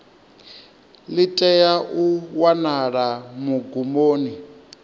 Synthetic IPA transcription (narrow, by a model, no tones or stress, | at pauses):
litʼɛjaʔuwanaɺamuɡumoːni